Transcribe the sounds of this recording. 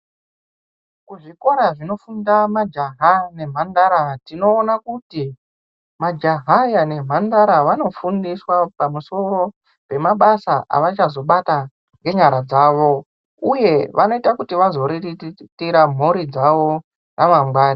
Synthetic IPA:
kuʐiko̞ɾaʐino̞fundamad͡ʒaɦane̞m̤andaɾatino̞ːnakuti | mad͡ʒaɦajane̞m̤andaɾaʋano̞fundiswapamuso̞ɾo̞ | pe̞maɓasaʔa̰ʋat͡ʃazo̞ɓata | ŋɡe̞ɲaɾad͡zaːʋo̞ | uje̞ʋano̞itakutiʋazo̞ɾiitiɾam̤oɾid͡zaʋo̞ | naʋamɡwaːni

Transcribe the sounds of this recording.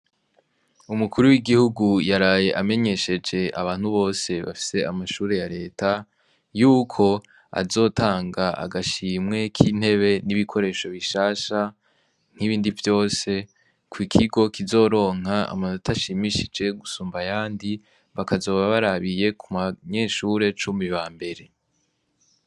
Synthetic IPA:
umukuɾuwiɡihuɡujaɾaːje̞ʔame̞ɲe̞ʃe̞d͡ʒe̞ʔaβaːn̥huβo̞ːse̞βa̰fi̥se̞amaʃuːɾe̞jaɾe̞ːta | juːkʰo̞ | a̰zo̞ːtʰaːŋɡaa̰ɡaʃiːmŋe̞kʰiːn̥he̞βe̞niβikʰo̞ɾe̞ːʃo̞βiʃaːʃa | ŋ̥iβiːndivjo̞ːse̞ | kwikʰiɡo̞kizo̞ːɾo̞ːŋ̥aa̰maːnutaʃimiʃid͡ʒe̞ɡusuːmbajaːndi | βakazo̞ːβaβaɾaβije̞kʰumaɲe̞ʃuɾe̞t͡ʃumiβaːmbe̞ɾe̞

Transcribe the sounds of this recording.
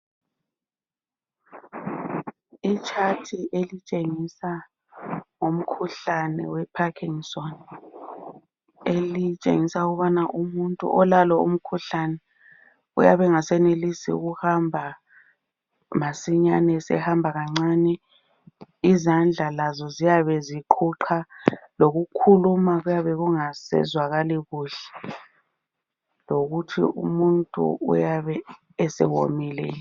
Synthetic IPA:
it͡ʃʼʰatʰiʔelit͡ʃʼeŋisa | ŋom̩kʰuɬanɛ̰wɛpʰakʰiŋsɔn | elit͡ʃʼḛŋisauɣuβanaʔumuntʼṵʔɔlalɔṵm̩kʰuɬanɛ | ṵjaβɛŋasɛnelisḭṵɣuhambʱa | masiɲanɛsɛ̰hambʱaɣaŋ͡ǀanɛ | izand͡ɮʱalazɔzijaβɛziǃʰuǃʰaloɣukʰulumaɣujaβɛɣuŋasɛ̰zwaɣaliɣuɬɛ | loɣutʰḭṵmuntʼṵṵjaβɛː | sɛ̰wo̰milɛ̰

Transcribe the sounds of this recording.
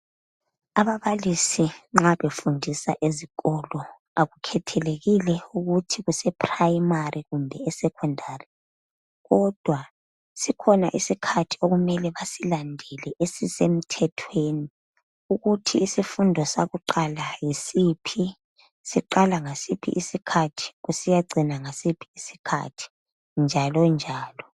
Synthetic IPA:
aβaβalisiŋ͡ǁaβefundʱisa̰ʔeziɣɔlɔ | aɣukʰɛtʰɛleɣilɛuɣutʰiɣusɛpʰʼrajimariɣumbʱɛɛsɛkʰɔndʱari | ɣɔd̥ʱwa | sikʰɔna̰ʔisikʰatʰi̥oɣumɛlɛβasilandʱɛlɛʔesisem̩tʰɛtʰweːni | uɣutʰiːsifundʱɔsaɣuǃalajisipʰi | siǃalaŋasipʰḭʔisikʰatʰi̥ɣusijaɡ͡ǀʱinaŋasipʰi̥isi̥kʰa̰tʰi̥ | nd͡ʒʱalɔnd͡ʒʱaːlɔ

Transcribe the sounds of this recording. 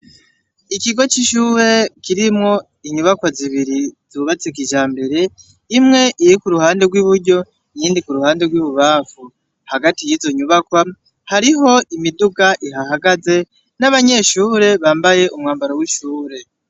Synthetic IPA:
ikiɡo̞t͡ʃiʃuːɾe̞kiɾimŋo̞ | iɲuβakwaziβiɾizuːβat͡sikiʒaːmbe̞ɾe̞ | imŋe̞ʔiɾikuɾuhaːnde̞ɡwiβuɾɟo̞ | jiːndikuɾuhaːnde̞ɡwiβuβaːfu | haɡatijiːzo̞ɲuβakwa | haɾiɦo̞ʔimiduɡaʔiɦahaɡaze̞ | naβaɲe̞ʃuːɾe̞βaːmbaje̞ʔumŋaːmbaɾowiʃuːɾe̞

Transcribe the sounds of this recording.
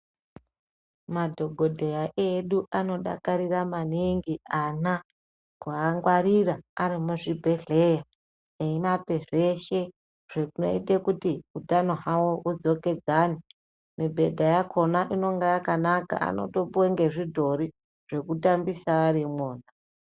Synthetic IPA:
madʱo̞ɡʱodʱejaʔeɗuʔano̞ɗa̰kaɾiramaniŋɡiana | kuaŋɡwaɾiraaɾimuʐibʱe̞ɮe̞ja | eimape̞ʐe̞ʃe̞ | ʐ̥ekuno̰itekutiutano̞ɦawo̞ud͡zo̞ke̞d͡zaːni | mibʱe̞dʱajakʰo̞naʔino̞ŋɡajakanaka̰a̰no̞̰to̞puweŋɡe̞ʐidʱo̞ɾi | ʐ̥e̞kutambisaːrimoːna

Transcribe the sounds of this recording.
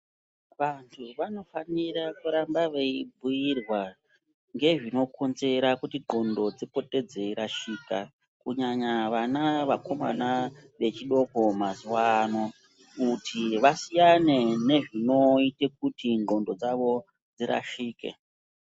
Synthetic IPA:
ʋantʰuʋano̞fanirakuɾambaʋeibʱujirwa | ŋɡe̞ʐino̞kʰonze̞ɾakutiŋ͡ǃo̞ndo̞d͡zipo̞te̞d͡ze̞ɾaʃiːka | kuɲaɲaʋanaʋako̞ma̰naʋe̞t͡ʃiɗo̞ko̞mazuwano | utʰiʋasijane̞ne̞ʐino̞ite̞k̚utiŋŋ͡ǃondo̞d͡zaʋo̞ | d͡ziɾa̰ʃiːke̞̰

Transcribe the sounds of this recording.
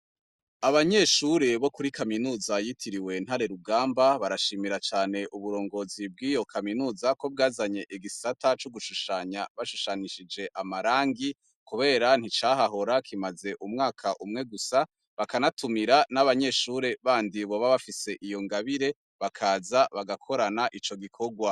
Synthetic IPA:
aβaɲe̞ʃuɾe̞βo̞kuɾikaminuːzajitʰiɾiwe̞nhaɾe̞ɾuɡaːmbaβaɾaʃiːmiɾat͡ʃaːne̞ʔuβuɾo̞ːŋɡo̞zib̚ɡiːjo̞kʰaminuːzako̞b̚ɡaːzaɲe̞ʔiɡisatat͡ʃuɡuʃuʃaɲaβaʃuʃaniʃid͡ʒe̞ʔamaɾaːŋɡi | kuβe̞ːɾan̥hit͡ʃaːɦaɦo̞ɾakʰimaze̞ʔumŋaːkʰaʔumŋe̞ɡusa | βakanatʰumiɾanaβaɲe̞ʃuɾe̞βaːndiβo̞βaβafise̞ʔijo̞ŋɡaβiɾe̞ | βakʰaːzaβaɡakʰo̞ɾanaʔit͡ʃo̞ɡikʰo̞ɡwa

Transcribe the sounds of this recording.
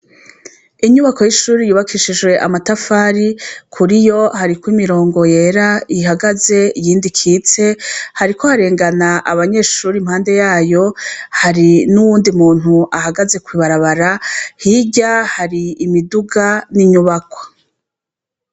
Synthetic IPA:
iɲuβako̞jiʃuːɾijuːβakʰiʃid͡ʒwe̞ʔamatafaːɾikʰuɾijo̞haɾikwiːmiɾo̞ːŋɡo̞je̞ɾaiɦaɡaze̞ijiːndikʰiːt͡se̞haɾikohaɾe̞ːŋɡanaʔaβaɲe̞ʃuːɾimhaːnde̞jaːjo̞haɾinuwuːndimuːn̥uʔaɦaɡaze̞kwiːβaɾaβaɾahiɟahaɾiːmiduɡaniɲuβako̥

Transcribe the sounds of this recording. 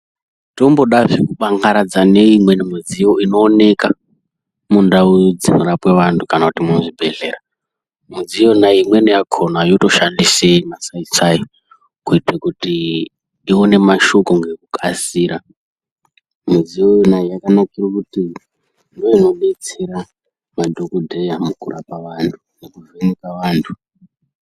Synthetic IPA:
to̞mbo̞ɗaʐikuɓaŋɡaɾad͡zane̞imwe̞nmud͡zijo̞ino̞ːne̞ka | mundaud͡zinoɾapwe̞ʋantʰukanakutimunoʐibʱe̞ɮe̞ːɾa | mud͡zijo̞naimwenejakʰonajo̞to̞ʃandisemasait͡sai | kuitekuti | ione̞maʃokoŋɡekukʰasiːɾa | muzijojonaijakanakirokuti | ndoino̞net͡siɾa | madʱokodʱejamukurʔapaʋantʰu̥nekuʐenikaʋaːntʰu̥

